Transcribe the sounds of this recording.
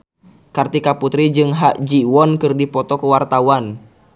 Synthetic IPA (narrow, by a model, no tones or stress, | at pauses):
kart̪ikaput̪ɾid͡ʒɨŋɦaʔd͡ʒiwɔnkɨrdipɔt̪ɔkəwart̪awan